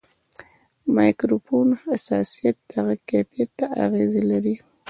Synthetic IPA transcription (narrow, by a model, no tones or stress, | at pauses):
mɑjkɾofonasɑsijat̪̚d̪aɣakafijat̪ːaa̰ɣezelaɾi